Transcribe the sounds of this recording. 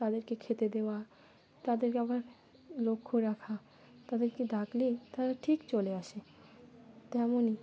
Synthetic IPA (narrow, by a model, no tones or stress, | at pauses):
t̪ad̪eɾkekʰet̪ed̪eoa | t̪ad̪eɾkeabaɾ | lokʰːoɾakʰa | t̪ad̪eɾked̪aklit̪aɾaʈʰikt͡ɕoleaʃe | t̪ɛmoni